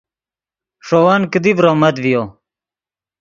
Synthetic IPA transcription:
ʂoːwaːnkəd̪ibɾoːmɐt̪vijo

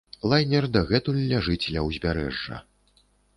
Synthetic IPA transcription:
lˠajnʲɛrd̪ɐɣɛt̪ulʲːaʐɨt͡sʲlʲɐwzʲbʲaɾɛ̰ʐːɐ̰

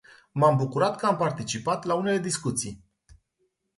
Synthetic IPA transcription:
mambukuɾat̪kəampart̪it͡ʃipat̪laune̞le̞d̪iskut̪sij

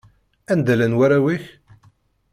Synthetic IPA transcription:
ænd̪ælænwaɾæwiç

